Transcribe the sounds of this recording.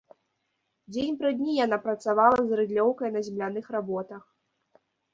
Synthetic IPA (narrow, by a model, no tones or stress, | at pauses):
d͡zʲenʲpɾɨd̪ʲnʲijan̪apɾɐt̪savalˠɐzɾɨd̪lʲɔwkɐjnɐzʲɛmlʲan̪ɨxɾabɔt̪ɐx